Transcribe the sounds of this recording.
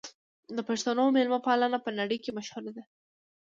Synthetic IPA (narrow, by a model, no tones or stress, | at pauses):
d̪əpaʂt̪anomelmapɑlanapənaɽəjkemaʃhulad̪a